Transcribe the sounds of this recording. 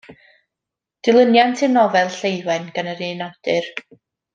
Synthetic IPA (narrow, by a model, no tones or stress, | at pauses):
d̥ɪlˠənjantʰɪnɔvɛlˠɬejwɛnɡ̥anəɾinawd̥ɨr